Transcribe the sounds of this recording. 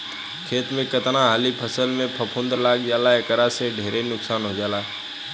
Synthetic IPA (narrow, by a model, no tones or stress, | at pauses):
kʰeːt̪mẽkət̪naɦaːlipʰəsəlmẽpʰɐpʰʊ̃ːnd̪əɾlaːɡd͡ʒaːlaekəɾaseɖʱeːɾenʊksaːnɦod͡ʒaːlaː